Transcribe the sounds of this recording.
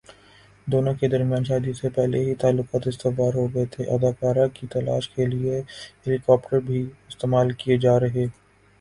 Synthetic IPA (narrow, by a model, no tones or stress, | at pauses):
d̪oːnõked̪ɐɾmjaːnʃaːd̪ijosepɛɦleɦit̪aːlːʊqaːt̪ɪst̪ɪʋaːɾɦoɡɐet̪ʰeʔɐd̪aːkaːɾãkit̪ɐla̰ːʃkelieɦelɪkɔːpʈəɾbʱiɪst̪eːmaːlkijed͡ʒaːɾɐɦeː